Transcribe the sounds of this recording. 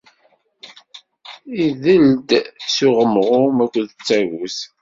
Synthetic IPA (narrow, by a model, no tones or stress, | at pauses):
iðəld̪suʁəmʁʊmækʷːðət͡sːæʝus